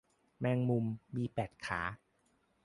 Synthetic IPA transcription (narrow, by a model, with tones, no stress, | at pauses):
mɛː˧ŋmu˧mːiː˧pɛː˨˩t̪̚kʰaː˩˦